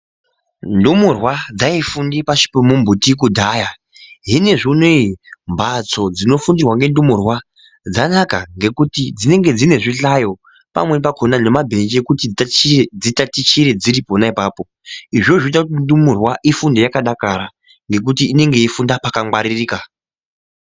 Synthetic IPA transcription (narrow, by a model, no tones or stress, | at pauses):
ndumurwad͡zaifundipaʃi̥pomumbutik̬udʱaːja | ɦine̞ʐineimbat͡so̞d͡zino̞fundirwaŋɡe̞ndumurwa | d͡zanakaŋɡe̞kutid͡zine̞ŋɡe̞d͡zine̞ʐiɬajo̞ | pa̰mwe̞npakʰo̞nane̞mabʱe̞nd͡ʒekutid͡zitatit͡ʃiɾe̞d͡ziɾipo̞naipaːpo̞ | iʐoʐoit̬akutindumurwaʔifundejakaɗakaɾa | ŋɡe̞k̬utiːne̞ŋɡe̞ifundapakaŋwaɾiriːka